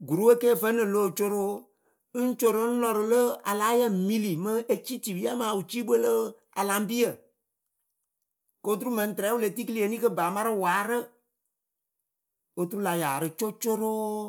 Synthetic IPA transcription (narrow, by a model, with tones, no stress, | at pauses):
ɡu˨ɾu˦wə˦keː˦˨fə˦nɨ˨lo˦˨t͡ʃo˦ɾo˦ | n̩˦t͡ʃo˦ɾo˦n̩˦lɔ˨ɾɨ˨lə˦a˨la˨˦jə˦˨mi˦li˨mə˦e˦t͡ʃi˦ti˨wi˦a˦maː˨u˨t͡ʃi˦ɓə˦lə˦ | a̰˨la˨˦m˦bi˦ə˨ | ko˦t̬u˦ɾu˦mə˨n˨tɾɛː˨˦wu˦le˨ti˦ki˦li˨e˨ni˦kə˦ba˨ma˦ɾɨ˦waː˨˦ɾɨ˦ | o˧tu˦ɾu˦la˧jaː˨ɾɨ˧t͡ʃo˦t͡ʃo˦ɾo˦